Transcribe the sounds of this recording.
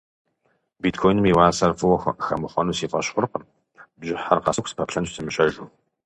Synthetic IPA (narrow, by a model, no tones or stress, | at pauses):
biːtkʰojnɨmiwaːsɐrfɨwɐxxɐ̰mɨχʷɔnuːsiːfʼɐɕχʷʊrqəm | bʒɪħarqɐsɨkʷspʰɐpɬɐnɕsʰɨmɨɕʼɐʒuː